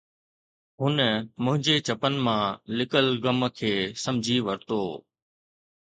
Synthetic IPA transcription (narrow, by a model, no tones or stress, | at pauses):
ɦʊnmʊ̃ɦɪ̃ɲd͡ʑet͡ɕɐpənɪ̆mãːlɪkəlɡəmkʰeːsɐmd͡ʑʱiʋəɾt̪oː